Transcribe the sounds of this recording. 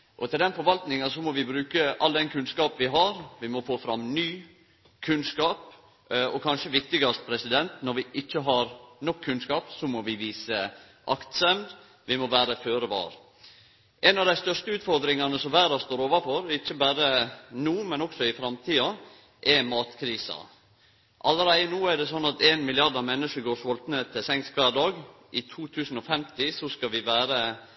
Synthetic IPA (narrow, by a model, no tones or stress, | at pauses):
ʔɔt̪ʰɪld̪ɛnfɔɾʋɑlt̪nɪŋɑsɔmɔʋɪbɾʉːkəʔɑld̪ɛnkʰʉnskɑːp̩ʋɪɦɑɾʋɪmɔfoːfɾɑmːnyː | kʰʉnskɑːp | ɔkʰɑnʂəʋɪk̚t̪ɪɡɑst̪̚pʰɾɛsɪd̪ɛnt̪nɔɾʋɪʔɪçːəɦɑɾnɔkʰːʉnskɑːpsɔmɔʋɪʋiːsə | ʔɑkt̪sɛmd̪ | ʋɪmɔʋæːɾəføːɾəʋɑ̰ːɾ | ʔɛnɑʋd̪æɪst̪œʂt̪əʉːt̪fɔɾd̪ɾɪŋɑnəsɔmʋæːɾɑst̪oːɾoːʋɑfɔɾɛɾɪçːəbæːɾənuːmɛnɔksɔɪfɾɑmt̪ʰiːɑ | ʔɛmɑːt̪kʰɾiːsɑ̰ | ʔɑləɾæɪənuːæɖ̪ɛsɔnːɑt̪eːnmɪlɪɑɖɑʋmɛnːəʂəɡoːʂʋɔlt̪nət̪ʰɪsɛŋskʰʋæːɖɑːɡ | ʔɪt̪ʰuːt̪ʰʉːsn̩ɔfɛmt̪ɪsɔskɑʋɪʋæːɾə